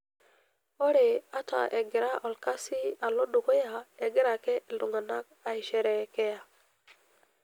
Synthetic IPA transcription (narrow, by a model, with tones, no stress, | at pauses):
o˦ɾe˨a˦ta̰˨ʔe˨ɡɪ˨ɾa˦ʔɔ˨lka˦si˦a˨lo˦ɗo˨kɔ˦ja˨e˨ɡi˦ɾa˨kɛ˦ʔi˨ldu˨ŋa˨na˦k̚a˨i˨ʃɛ˨ɾɛ˨kɛ˦ja˨